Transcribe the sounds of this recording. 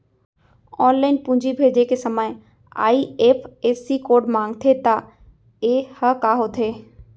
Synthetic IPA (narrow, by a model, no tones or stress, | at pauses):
ɔːnlaːɪnpʊ̃ːɲd͡ʑibʱeːd͡ʑekesɐməj̃ | a̰ːieːpʰeːsikoːɾɖmãːŋɡt̪ʰet̪a | ehəkaːɦot̪ʰeː